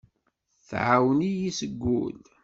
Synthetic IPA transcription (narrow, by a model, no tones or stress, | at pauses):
θʕawnijisəɡːṵl